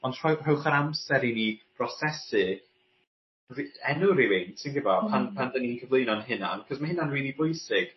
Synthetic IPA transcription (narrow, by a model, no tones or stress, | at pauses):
ɔntʰr̥ɔr̥owχaɾamsɛɾinib̥rɔsɛsɨ | riɛnuɾɪwɪnsɪnɡɪbɔpʰanpʰandəninkʰəvlˠejnɔnɦɪna̰nkʰɔsmahɪnanriːlˠibʊjsɪɡ̥